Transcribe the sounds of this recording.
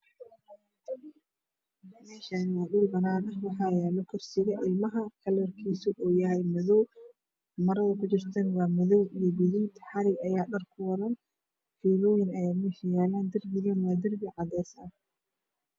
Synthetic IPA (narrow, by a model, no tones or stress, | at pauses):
mɛːʃaːnɪwaːɗʊlbɐnaːnɐhwɑħɑːjɛːlɔkʰɔrsɪɣɐʔɪlmɐɦɐkʰɐlɐrkʰiːsʊʔɔːjɐɦɛjmɐðɔw | mɐɾɐðɐkʰʊt͡ʃɪrt̪ʰɐnwɑːmɐðɔwijɔɡʊðiːt̪ʰħɑɾɪɡɐjaːɗɐrkʰʊwɐɾɐn | fiːlɔːjɪnɐjaːmɛʃɐjaːlaːnd̪ɐrbɪɣɐnwaːd̪ɐrbɪʕɑðɛːsɐ